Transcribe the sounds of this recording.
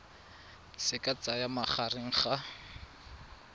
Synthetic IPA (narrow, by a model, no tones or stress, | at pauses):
sɪkʼat͡sajamaχarɪŋ̩χa